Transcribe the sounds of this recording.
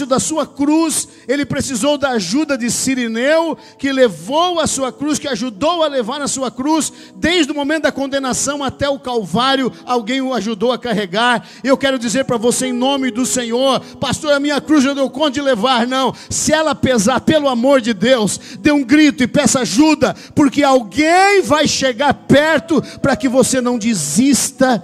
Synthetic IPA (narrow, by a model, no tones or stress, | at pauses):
ʊd̪ɐsuɐkɾus | elɪpɾesizowd̪ɐːʒud̪ɐd͡ʒ̪ɪsiɾenewʊ | kɪlevowɐsuɐkɾuskɪaʒud̪owɐlevaɾɐsuɐkɾus | d̪ejzʒd̪ɪʊmõmẽnt̪ʊd̪ɐkõnd̪enasɐ̃w̃at̪ɛʊkawvaɾjʊawɡẽj̃ʊaʒud̪owɐkaɦeɡaɾ | ewkɛɾʊd͡ʒizeɾpɾɐvoseẽj̃nõmɪd̪ʊsẽɲoɾpast̪oɾɐmĩɲɐkɾuzewd̪ewkõd͡ʒɪlevaɾnɐ̃w̃sɪɛlɐpezaɾpelʊamoɾd͡ʒɪd̪ewsd̪eũɡɾit̪ʊɪpɛsaʒud̪ɐ | poɾkɪawɡẽj̃vajʃeɡaɾpɛɾt̪ʊpɾɐkɪvosenɐ̃w̃d͡ʒizist̪ɐ